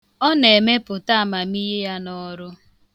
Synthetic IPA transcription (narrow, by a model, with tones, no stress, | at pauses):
ɔ˦ne˨me˦pʊ˨ta˦˨ma˨mi˦je˦ja˦nɔ˦ɾʊ˦